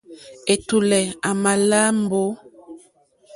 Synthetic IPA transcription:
e˨tu˨lɛ˨a˨ma˨la˦m˦bo˦

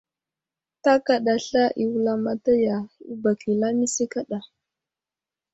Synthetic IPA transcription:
ta˦ka˨ɗa˨ɬa˦ʔi˨wu˦la˦ma˨ta˦ja˨u˦ba˨ki˨la˦mi˦si˦ka˦ɗa˨

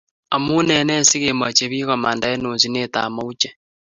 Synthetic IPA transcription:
a˨mu˦nɛ˨nɛ˦si˦ɣe˨ma˨t͡ʃe˨βiː˦ɣa˨ma˨nda˨˦e˦noː˨nzi˦ne˦˨ta̰˨ma˦u˦t͡ʃɛ˦

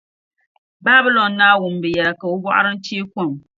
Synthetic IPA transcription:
ba˦bi˦lɔ˨nːaː˦wʊ˨m˨bɛ˨jɛ˨la˨ka˨o˦bɔ˦ʔa̰˦ɾɨ˦n̩˦t͡ʃiː˦kɔ˦˨m

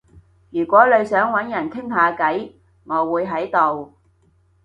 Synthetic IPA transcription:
jyː˨˩kʷwɔː˨˥lɵ˨˧ɥsœː˨˥ŋwɐ˨˥njɐ˨˩nk̪ʰɪ˥ŋhaː˨˧kɐ˨˥j | ŋɔː˨˧wuː˨˧jɦɐ˨˥jt̪o˨w

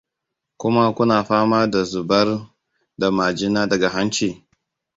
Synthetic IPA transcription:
kʷʊ˦ma˦kʷʊ˦naː˨ɸaː˦maː˦da˨zʊ˨bɐ˦r | da˨maː˨d͡ʒɪ˦naː˦dɐ˨ɡa˨ɦa˦nt͡ʃiː˨

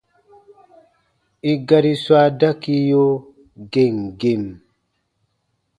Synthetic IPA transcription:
i˦ɡa˦ɾi˦swa˦da˦ki˦jo˦ | ɡe˨ŋɡe˦˨m

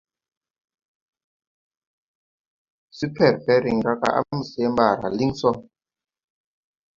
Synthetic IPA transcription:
si˦pʰɛ˨ɾbɛ˦ɾi˨ŋɾa˦ka̰˦˨ʔa̰˦mu˨sɛ˦mba˨ɾa̰˨li˦ŋsɔ˦

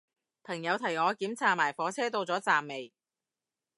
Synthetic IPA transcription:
pʰɐ˨˩ŋjɐ˨˧wt̪ʰɐ˨˩jŋɔː˨˧kiː˨˥mt͡sʰaː˨maː˨˩jfɔː˨˥t͡sʰɛː˥t̪o˧wt͡sɔː˨˥t͡saː˨mːe˨j

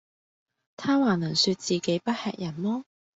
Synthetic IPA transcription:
t̪ʰaː˥waː˨˩nɐ˨˩nsyː˧t̚t͡siː˨˩ke˨˥jpɐ˥t̚hɛ̰ː˧k̚jɐ˨˩nlɔː˥

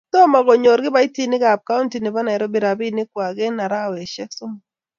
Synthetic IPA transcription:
tɔ˦ma˨ɡɔ˨ɲo˨ɾɡɪ˦ba˦i˦ti˦nɪ˦ɡa˨b̚ka˦u˦nti˨ne˨ba˦na˨ɛ˨ɾɔ˦bi˨ɾa˨bi˦nɪ˦kwa˨ɡe˦na˨ɾa˦wɛ˨ʃɛ˦so˦m˨

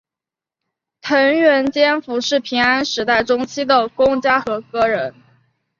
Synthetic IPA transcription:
t̪ʰə˧˥ŋɥɛ˧˥nt͡ɕjɛ˥nfu˧˥ʂɻ̩˥˩pʰi˧˥ŋa˥nʂɻ̩˧˥t̪a˥˩ɪʈ͡ʂʊ˥ŋt͡ɕʰi˥d̪ə˨kʊ˥ŋt͡ɕja˥xɤ˧˥kɤ˥ɻə˧˥n

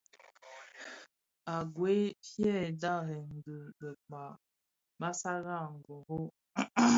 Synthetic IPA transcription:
a˨ɡwe˦pjɛ˦˨da˦˨ɦə˨ŋ̩˨ɡə˨ɡə˨k͡pa˨ | ma˦sa˦ɣa˦˨ŋ̩˨ɡo˨ɣo˦

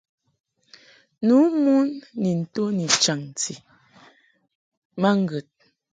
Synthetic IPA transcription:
nu˨˦mu˦nːi˨n̩˨to˦ni˨t͡ʃa˨ŋ˨ti˨ | ma˦ŋ˦ɡə˨t̚

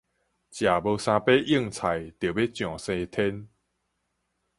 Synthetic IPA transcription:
t͡ɕja˨˩bə˧sã˧pe˦ʔi˦˥˧ŋt͡sʰa˨˩jt̪jə˨˩be˦t͡ɕjɔ̃˨˩sẽ˧t̪ʰɛ˦n

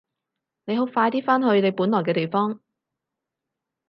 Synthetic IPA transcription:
ne˨˧jɦo˨˥wfaː˧jt̪iː˥faː˥nɦɵ˧ɥne˨˧jpuː˨˥nlɔː˨˩jk̬ɛː˧t̪e˨˩jfɔː˥ŋ

